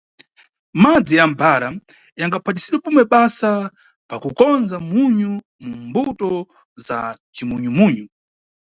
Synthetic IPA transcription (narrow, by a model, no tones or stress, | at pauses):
mad͡zijambaɾa | jaŋɡapʰat̬isiɗwɛpumɛɓasa | pakukɔnzamuɲu | mumbutɔ | za̰t͡ʃimuɲumuɲu